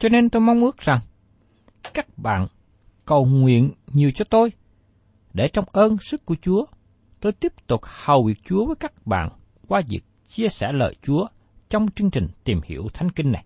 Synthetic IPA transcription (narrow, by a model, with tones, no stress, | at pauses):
t͡ɕɔ˧ne˧nt̪o˧jma˧wŋ͡mʔɨ˦˥ək̚z̥a˨˩ŋ | kaː˦˥k̚ɓa̰ː˧˨n | kə˨˩wŋwḭ˧˨ənɲi˨˩əwt͡ɕɔ˧t̪o˧j | ɗe˧˩t͡ɕɔ˧wŋ͡mʔəː˧nsɨ˦˥kːu˧˩ət͡ɕu˨˦ə | t̪o˧jt̪i˦˥əp̚t̪ʊ˨˩k͡p̚hə˨˩wwi˨˩ək̚t͡ɕu˨˦əvəː˨˦jkaː˦˥k̚ɓa̰ː˧˨n | kwaː˧zḭ˨˩k̚t͡ɕi˧əsɛ̰˧˩lə̰ː˧˨jt͡ɕu˨˦ə | t͡ɕɔ˧wŋ͡mt͡ɕɨ˧əŋt͡ɕï˨˩ŋ̟t̪i˨˩mhḭ˧˩əwt̪ʰa˨˦jŋ̟ki˧ŋ̟na˨˩j